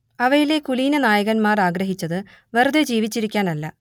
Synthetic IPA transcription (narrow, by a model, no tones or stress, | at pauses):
ɐʋɐjile̞kuliːnɐnaːjɐɣɐnmaːraːɡɾɐɦit͡ɕːɐðɨ | ʋerud̪ed͡ʑiːʋit͡ɕːiɾikʲːaːnɐlːɐ